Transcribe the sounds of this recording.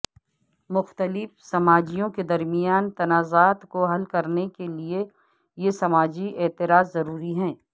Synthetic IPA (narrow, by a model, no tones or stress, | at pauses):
mʊxt̪əlɪfsɐmaːd͡ʒijõked̪ɐɾmijaːnt̪ɐnaːzaːt̪koɦɐlkɐɾnekelie | jesɐmaːd͡ʒiɛːt̪ɪɾaːzːɐɾuːɾiɦɛ̃ː